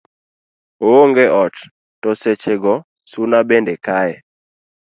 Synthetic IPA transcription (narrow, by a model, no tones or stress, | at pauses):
ooŋɡeʔɔt | tɔset͡ʃeɡɔ | sunabendekaɛ